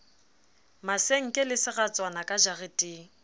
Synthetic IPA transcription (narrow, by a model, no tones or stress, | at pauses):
maseŋ̩kʼɪlɪsɪɣat͡sʼwanakʼad͡ʒaɣɪtʼiːŋ̩